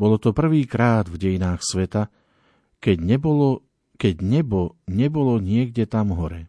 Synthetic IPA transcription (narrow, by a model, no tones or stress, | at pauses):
bɔlɔt̪ɔpr̩ʋiːkɾaːd̪vɟɛjinaːxsʋɛt̪a | kɛɛɔɔ | kɛɟɲɛbɔɲɛbɔlɔɲɪɛɡɟɛt̪amɦɔɾɛ